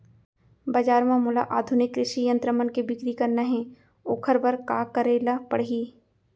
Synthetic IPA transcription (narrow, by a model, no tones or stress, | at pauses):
bɐd͡ʒaːɾmãmʊlaʔaːd̪ʱʊnɪkːɾɪʃijə̃nt̪ɾəmənkebɪkɾikɐɾnɐɦẽ | oːkʰəɾbɐɾkaːkəɾeːlapəɽɦiː